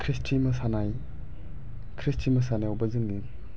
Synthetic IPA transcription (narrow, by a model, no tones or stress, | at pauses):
kʰɾistʰimɐsanaj | kʰɾistʰimɐsanaawbɐzɯŋni